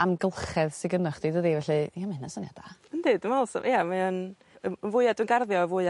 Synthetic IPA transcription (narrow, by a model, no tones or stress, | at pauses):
amɡəlˠχɛðsɪɡənɔχd̥idədivɛɬɨjamɛnasɔniad̥aəndɨːdəmalˠsɔ̰ʔjamaən | əəvʊɨadənɡarðjɔvʊɨ